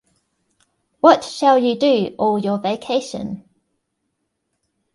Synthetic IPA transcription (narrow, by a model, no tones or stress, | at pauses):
wɒtʃalˠjədəɔːlˠjəveɪkʰeɪʃə̰̃n